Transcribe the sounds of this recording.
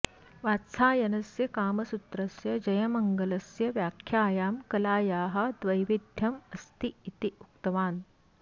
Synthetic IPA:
ʋaːt̪saːjɐnɐsjɐkaːmɐsut̪ɾɐsjɐd͡ʒɐjɐmɐŋɡɐlɐsjɐʋjaːkʰjaːjaːmkɐlaːjaːɦɐ̆d̪ʋɐjʋid̪ʱjɐmɐst̪iːt̪iukt̪ɐʋaːn

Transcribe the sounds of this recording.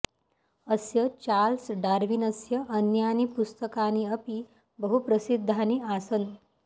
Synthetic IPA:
əsjət͡ɕalsɖaɾʋinəsjəʔːnjanipust̪əkaniəpi | bəɦupɾəsid̪ʱːaniasən

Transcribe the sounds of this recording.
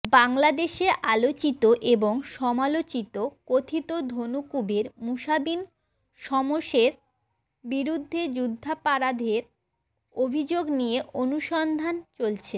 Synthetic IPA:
baŋlad̪eʃeʔalot͡ɕit̪oʔeboŋʃɔmalot͡ɕit̪okot̪ʰit̪od̪ʱonukubeɾmuʃabin | ʃɔmoʃeɾ | biɾud̪ʱːed͡ʑud̪ʱːapaɾad̪ʱeɾ | obʱid͡ʑoɡnijeʔonuʃɔnd̪ʱant͡ɕolt͡ɕʰe

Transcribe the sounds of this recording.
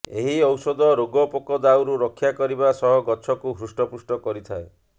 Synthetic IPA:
eɦiɔwsɔd̪ɔɾoɡɔpokɔd̪awɾuɾɔkʰːjakɔɾibasɔɦɔɡɔt͡ʃʰɔkuɦɾusʈɔpusʈɔkɔɾit̪ʰae

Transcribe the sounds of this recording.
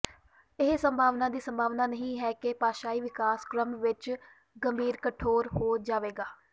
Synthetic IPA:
ɪɦsəmbʱaːʋnãːd̪iːsəmbʱaːʋnaːnəɦĩːɦɛːkepaːʃaːiːʋɪkaːskɾəmʋɪt͡ʃ | ɡəmbʱiːɾkəʈʰoːɾhoːd͡ʒaːʋeːɡaː

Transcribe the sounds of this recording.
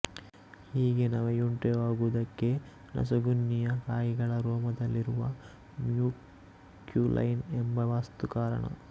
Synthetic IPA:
hiːɡe̞naʋejuɳʈeʋaːɡuʋd̪ɐkːe̞ | nɐ̰s̬ɐɡunːijɐkaːjiɡɐɭɐɾɔːmɐd̪ɐlːiɾuʋɐ | mjuː | kjulʔɐ̰jnembɐʋaːst̪ukaːɾɐ̰ɳɐ̰

